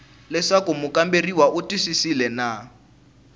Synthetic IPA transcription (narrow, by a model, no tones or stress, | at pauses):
lɛʂakumʊkamberiwaʔutisisilɛna